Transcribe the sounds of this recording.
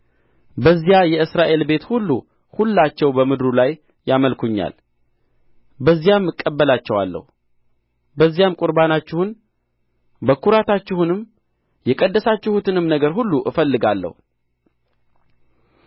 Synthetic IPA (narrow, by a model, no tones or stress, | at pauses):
bəzːijajɛɨsɾaʔe̞lbe̞t̪hulːu | hulːat͡ʃːɛwbəmɨd̪ɾulajː | aməlkʰuɲːa̰l | bəzːijamːɨkʼːəbːəlat͡ʃːɛwa̰lːə̰hu | bəzːijamkʼʊɾbanat͡ʃːɪhun | bəkʰuɾat̪ʰat͡ʃːɪhunɨm | jɛkʼəd̪ːəsat͡ʃːɪhut̪ɨnɨmnəɡəɾɦulːuʔɨfəlːɨɡalːə̰hu